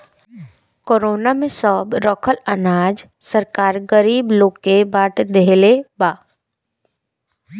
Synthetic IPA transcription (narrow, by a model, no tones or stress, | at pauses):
koːɾoːnamẽsɔːbɾɔkʰələnaːd͡ʒ | səɾkaːɾɡəɾiːbloːkebaːʈʰd̪eɦlebaː